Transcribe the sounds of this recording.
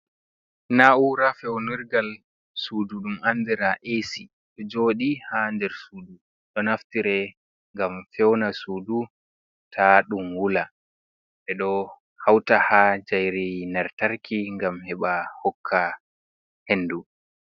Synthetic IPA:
naʔuɾafɛwniɾɡal | suːduɗumʔanːdɛɾaʔesi | ɗɔd͡ʒoːɗihandɛɾsuːdu | ɗɔnaftiɾɛ | ŋɡamfɛwnasuːdu | tʰaɗumwula | ɓɛɗɔ | hawtahad͡ʒajɾinaɾtaɾkʰiŋɡamhɛɓahɔkʰːa | henːdu

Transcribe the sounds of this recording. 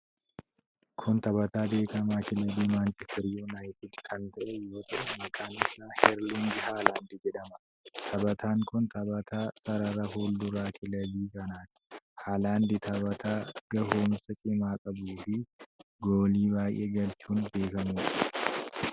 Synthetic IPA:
kʰʊnt̪ɐbɐt̪aːbe̞ːkɐmaːkɪlɐd̪iːmaːnt͡ʃɛst̪ʰɐɾɪjonaːjɪt̪ɪd̪kʰɐnt̪ɐʔɛjo̞ːt̪ɐʔɐmɐkʰaːnɪsaːhɛɾlinɡɪhaːlaːnd̪ɪd͡ʒɛᶑɐmɐ | t̪ʰɐbɐt̪ʰaːŋkʊnt̪ʰɐbɐt̪ʰaːsɐɾɐɾɐhoːld̪ʊɾaːkɪlɐd̪iːkɐnaːt̪ɪ̥haːlaːnd̪ɪt̪ʰɐbɐt̪ʰaːɡ̥ɐhoːmsɐt͡ʃʼɪmaːkʼɐbuːfɪɡoːliːbaːjʔe̞ːɡɐlt͡ʃuːnbe̞ːkɐmuːᶑɐ̥

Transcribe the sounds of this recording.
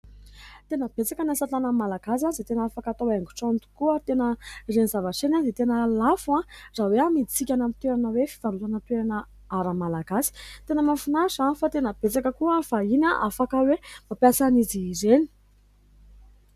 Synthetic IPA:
t̪enəb̥et͡sakənasat̪anəmalaɡas̬azet̪enaafakat̪oweŋɡu̥ʈ͡ʂont̪u̥kuət̪enərenizavaʈ͡ʂenazet̪enəlafuãzaweamit͡sikʲanamit̪eɾanəwefi̥v̥aɾut̪anət̪eɾanə | aɾamalaɡasi̥t̪enəmafunasanfat̪enəb̥et͡sakəkuəfainaʔafakəwemapjasanizizeni̥

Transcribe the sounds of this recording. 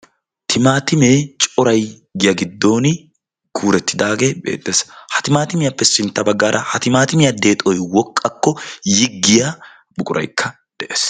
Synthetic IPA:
t̪ʰɪmaːt̪ɪmeːt͡ʃʼɔɾɐj | ɡɪjɐɡɪd̪ːo̞ːnɪ | kʰuːɾɛt̪ːɪd̪aːɡebḛːt̪ʼːeːshɐt̪ɪmaːt̪ɪmɪjɐpːɛsɪnt̪ːɐbɐɡːaːɾʔɐhɐt̪ɪmaːt̪ɪmɪjɐd̪e̞ːt̪ʼɔjwɔkʼːɐkːɔjɪɡːɪja | bʊkʼʊɾɐ̰jkʰːɐ | d̪̥ɛʔeːs

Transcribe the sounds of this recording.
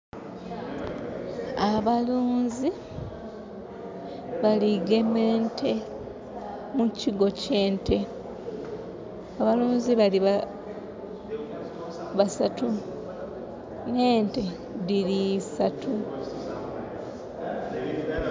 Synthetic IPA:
aβaluːnzi | βaliɡe̞meːntʰe̞ | muciɡo̞ceːntʰe̞ | aβaluːnziβaliβa | βasatu | ne̞ːnte̞ | dilisatʰu

